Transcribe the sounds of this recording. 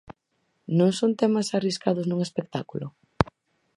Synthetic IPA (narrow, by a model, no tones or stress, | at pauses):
nõŋsont̪ɛmasariskaðʊznuŋespek̚t̪akulʊ